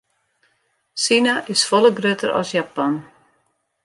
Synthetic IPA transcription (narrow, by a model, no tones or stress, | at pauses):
sinaʔɪsfɔlˠəɡrøtəɾɔ̰sjapɔn